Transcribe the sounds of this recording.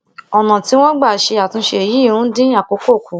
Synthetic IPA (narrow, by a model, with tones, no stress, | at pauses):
ɔ˨nã˨ti˨˦w̃ɔ̃˦ɡ͡ba˦˨ʃe˧a˨tũ˧˦ʃe˧e˨ji˦˨ɾ̃ũ˦dĩ˦a˦˨ko˨˦ko˦˨kũ˨˦